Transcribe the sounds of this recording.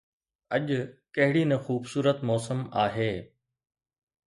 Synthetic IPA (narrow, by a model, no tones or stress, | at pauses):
ɐʄʊkɐɦɪɽinɐ̃xuːbsuːɾət̪mɔːsəmaːɦeː